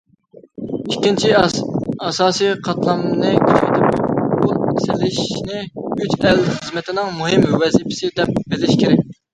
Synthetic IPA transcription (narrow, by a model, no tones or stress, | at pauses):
ikʲːint͡ʃʰi | ɑsɑːsijqʰɑt̪lˠɑmnɨkʲʰy̥t͡ʃʰet̪ʰɪpb̥uesɪlɪʃnɪyt͡ʃɛlχəzmɪt̪ʰɪnɪŋmuɦɪmwɛzipʰɪ̥sɪd̪ɛp̚bɪlɪʃkʲʰeɾɛk̚ʲ